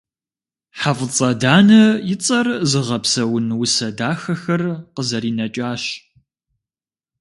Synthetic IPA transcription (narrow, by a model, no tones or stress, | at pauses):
ħafət͡sʼɐdaːnɐjɪt͡sʼɐrzɨʁɐpsɐwʊnwʊsɐdaːxɐxɐrqəzɐɾiːnɐt͡ʃʼaːɕ